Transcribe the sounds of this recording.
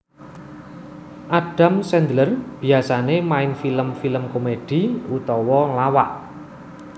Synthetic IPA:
ʔaɖ̥a̤msɛnd̪lərb̥i̤asanemaɪnfiləmfiləmkomeɖ̥i̤ut̪ɔwɔlawaʔ

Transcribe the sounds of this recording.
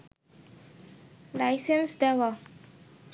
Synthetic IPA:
lajsə̃nsdɛwə

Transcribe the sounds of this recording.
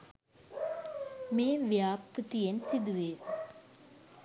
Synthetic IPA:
meːʋjaːpɾut̪ijensid̪uʋeː

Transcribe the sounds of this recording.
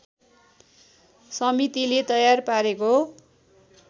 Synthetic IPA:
sʌmit̪ilet̪ʌjarpaɾeko

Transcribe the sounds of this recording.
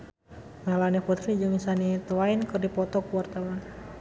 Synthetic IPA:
malaniput̪ɾid͡ʒɨŋisanit̪əwainkɨrdipɔt̪ɔkuwart̪awan

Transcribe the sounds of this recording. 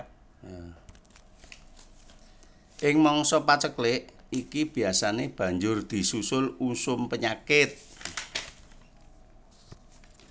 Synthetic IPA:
ʔɪŋmɔŋsɔpat͡ʃəklɪʔikib̥i̤asaneb̥ä̤ɲd͡ʒʊrd̪̥i̤susʊlusʊmpəɲakɪt̪̚

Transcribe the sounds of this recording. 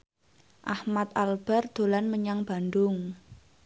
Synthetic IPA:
ʔahmat̪̚alb̥ɛ̤rd̪̥o̤lanməɲaŋb̥a̤nd̪ʊŋ

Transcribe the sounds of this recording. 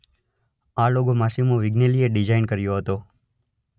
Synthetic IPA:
aloɡomasimoʋɪɡnelieɖid͡ʒainkəɾjoɦət̪o

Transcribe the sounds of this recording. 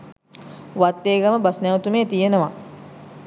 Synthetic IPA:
ʋat̪ːeːɡaməbasnɛwt̪umeːt̪ijenəʋa

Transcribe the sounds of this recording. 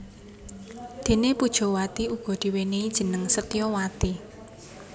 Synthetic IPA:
d̪̥e̤nepud̥ʒ̥ɔ̤wat̪iuɡ̥ɔ̤d̪̥i̤weneid̥ʒ̥ə̤nəŋsət̪ijɔwat̪i

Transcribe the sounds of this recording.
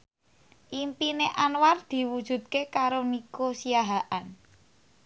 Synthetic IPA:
ʔimpineʔanward̪̥i̤wud̥ʒ̥ṳd̪̚kekaɾonikosiaɦaʔan

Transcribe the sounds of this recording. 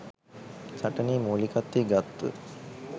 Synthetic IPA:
saʈəniːmoːlikat̪ːiɡat̪ːə̰

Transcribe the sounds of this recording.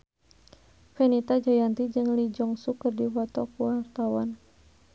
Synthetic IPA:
fɛnit̪ad͡ʒajant̪id͡ʒɨŋlid͡ʒɔŋsukərdiwɔt̪ɔkuwart̪awa̰n

